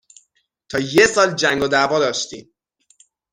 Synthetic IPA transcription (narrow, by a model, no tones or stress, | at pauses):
t̪ʰɒːjesɒːld͡ʒæŋɡod̪ævɒːd̪ɒːʃt̪iːm